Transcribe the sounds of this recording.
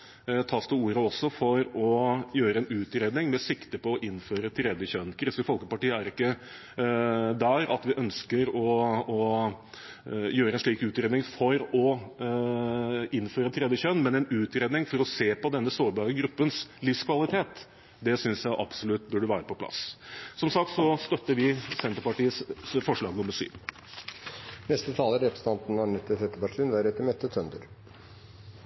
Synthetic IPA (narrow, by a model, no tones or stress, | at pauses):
t̪ʰɑːst̪ʰɪuːɾəɔsːɔfɔɾɔjøːɾəɛnʉːt̪ɾeːd̪nɪŋmɛsɪkt̪əpɔːʔɪnːføːɾət̪ʰɾɛd̪jəçœnkʰɾɪsəfɔlkəpɑʈiːəæɾɪkːə | d̪æɾɑ̰t̪ʋɪʔœnskəɾɔɔ | jøːɾəɛnʂɭiːkʉːt̪ɾeːd̪nɪŋfɔɾɔ | ɪnføːɾət̪ʰɾɛd̪jəçœnmɛnɛnʉːt̪ɾeːd̪nɪŋfɔɾɔseːpɔd̪ɛnːəsoːɾbɑːɾəɡɾʉpːənslɪfskʰʋɑlɪt̪ʰeːt̪ | d̪ɛsʏnsjæɪʔɑb̥sʊlʉt̪bʉɖəʋæːɾəpɔpʰlɑ̰ssɔmsɑk̚t̪sɔst̪œt̪ːəɾʋɪsɛnt̪əɾpɑʈiːəsfɔʂɭɑːɡnʊmːəɾʂy̰ːʋ | nɛst̪ət̪ʰɑːləɾɛpɾəsət̪ʰɑnt̪n̩ɑɳɛt̪ːət̪ʰɛt̪ːəpɑʈʰiːənʋæːɾɛt̪ːəɾmɛt̪ːət̪ʰœnd̪əɾ